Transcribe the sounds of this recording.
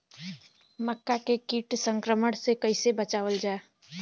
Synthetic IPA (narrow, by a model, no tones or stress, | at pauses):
məkːakekiːʈsə̃ŋkɾəməɽ̃sekəɪsebət͡ʃaːʋəld͡ʒaːe